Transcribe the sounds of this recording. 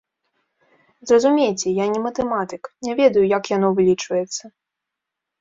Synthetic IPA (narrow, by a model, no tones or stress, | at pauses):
zrɐzumʲejt͡sʲɛjanʲɛmɐt̪ɛmat̪ɨknʲɛvʲɛd̪ɐjujakjan̪ɔvɨlʲit͡ʂvɐjɛt̪sːɐ